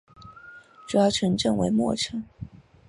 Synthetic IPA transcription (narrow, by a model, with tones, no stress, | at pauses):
ʈ͡ʂu˥˧˥jɑ˥˩ʈ͡ʂʰə˧˥ŋʈ͡ʂɤ˥˩ŋwe˧˥ɪmwɔ̰˥˩ʈ͡ʂʰɤ˧˥ŋ